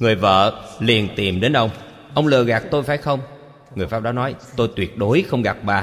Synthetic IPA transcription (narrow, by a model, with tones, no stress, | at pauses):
ŋɨ˨˩əjvə̰ː˧˨li˨˩ənt̪i˨˩mɗe˨˦nɗə˧wŋ͡m | ʔə˧wŋ͡mlɨ˨˩əɣaː˨˩k̚t̪o˧jfaː˧˩jxə˧wŋ͡m | ŋɨ˨˩jfa˦˥p̚ɗaː˨˧˥nɔ˨˦jt̪o˧jt̪wi˨˩ət̚ɗo˨˦jxə˧wŋ͡mɣa˨˩p̚ɓaː˨˩